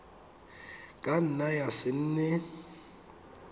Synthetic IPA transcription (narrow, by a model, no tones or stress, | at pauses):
kʼan̩najasɪn̩ːnɛ